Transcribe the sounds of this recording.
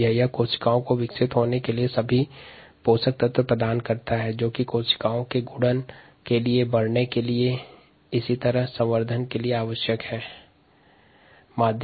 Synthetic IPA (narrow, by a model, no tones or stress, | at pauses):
əɦjakoːʃɪ̥kaːõkoʋɪksɪt̪ɦoːnekeliesɐbʱi | poːsək̚t̪ət̪əpɾəd̪aːnkɐɾt̪aɦɛd͡ʒoːkikoːʃkaːõkeɡʊɽən | keliebɐɽnekelie | ɪsit̪ɐɾəɦsɐ̃mʋəɾd̪ʱənkelieaːʋəʃjəkhɛː | maːd̪ʱ